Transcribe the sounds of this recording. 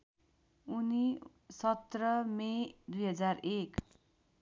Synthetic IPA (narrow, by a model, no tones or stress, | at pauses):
uni | sʌt̪rʌmed̪ujɦʌd͡zarek